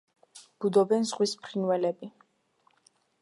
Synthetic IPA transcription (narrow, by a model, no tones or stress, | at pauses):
b̥ud̪ɔbɛnzʁwispʰɾinwɛlɛbi